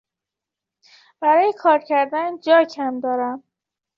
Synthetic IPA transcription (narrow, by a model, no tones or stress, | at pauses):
b̥æɾɒːjekʰɒːɾcʰæɾd̪ænd͡ʒɒːcʰæmd̪ɒːɾæm